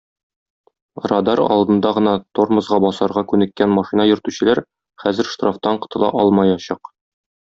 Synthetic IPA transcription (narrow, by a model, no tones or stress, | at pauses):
rɑd̪ɑɾɒ̰lˠd̪ɤ̆nd̪ɑʁɤ̆nɑt̪oɾmɤ̆zʁɑbɒsɑɾʁɑkʉnɘ̆kːænmɑʃinɑjɵ̆ɾt̪ʉɕɘ̆læɾ | χæzɘ̆ɾʃt̪roft̪ɑɴqɤ̥̆t̪ɤ̆lˠɑ̰ʔɒlˠmɑjɑɕɑq